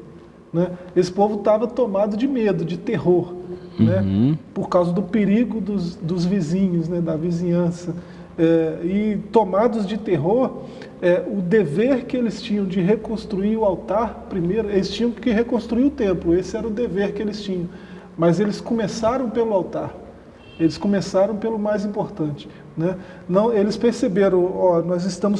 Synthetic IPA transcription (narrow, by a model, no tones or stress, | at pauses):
nɛesɪ̥povʊt̪avɐt̪omad̪ʊd͡ʒɪmed̪ʊd͡ʒɪt̪eɦoɾnɛpoɾkawzɐd̪ʊpeɾiɡʊd̪ʊsd̪ʊzvizĩɲʊznɛd̪ɐvizĩɲɐ̃sɐ | ɛɪt̪omad̪ʊzd͡ʒɪt̪eɦoɾ | ɛʊd̪eveɾkɪelɪst͡ʃĩɲɐ̃w̃d͡ʒɪɦekõst̪ɾuiɾʊawt̪aɾpɾimejɾʊelɪst͡ʃĩɲɐ̃w̃kɪɦekõst̪ɾuiɾʊt̪ẽmplʊesɪɛɾɐʊd̪eveɾkɪelɪst͡ʃĩɲɐ̃w̃ | mɐzelɪskõmesaɾɐ̃w̃pelʊawt̪aɾ | elɪskõmesaɾɐ̃w̃pelʊmajzĩmpoɾt̪ɐ̃nt͡ʃɪ̥ | nɛ | nɐ̃w̃elɪspeɾsebeɾɐ̃w̃ɔnɔzɪst̪ɐ̃mʊs